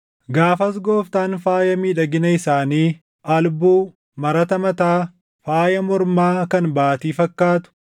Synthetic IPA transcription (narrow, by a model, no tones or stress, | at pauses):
ɡaːfɐs̬ɡo̞ːft̪aːnfaːjɐmiːᶑɐɡɪnɐɪsaːniː | ʔɐlbuː | mɐɾɐt̪ɐmɐt̪aː | faːjɐmɔɾmaːkɐnbaːt̪iːfɐkːaːt̪ʊ̥